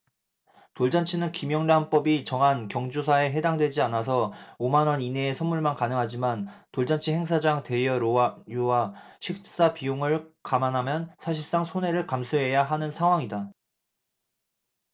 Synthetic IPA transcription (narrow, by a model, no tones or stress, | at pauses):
toɭd͡ʑant͡ɕʰinɯnkimjʌŋɾanp͈ʌbit͡ɕʌŋɦankjʌŋd͡ʑusʰae̞ɦe̞daŋdwe̞d͡ʑianas̬ʰʌomanʌnineːsʰʌmːuɭmankanɯŋɦad͡ʑimantoɭd͡ʑant͡ɕʰiɦe̞ŋs̬ʰad͡ʑaŋte̞jʌjowaɕʰik̚s͈apijoŋɯɭkamanɦamjʌnsʰaɕʰiɭs͈aŋsʰone̞ɾɯɭkamsʰuɦe̞jaɦanɯnsʰaŋɦwaŋida